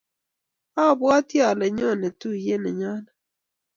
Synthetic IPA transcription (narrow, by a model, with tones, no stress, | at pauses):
a˦˨bwa˦tja˨lɛ˨ɲɔ˦˨nɛ˨tu˦je˦nɛ˨ɲa˦na˨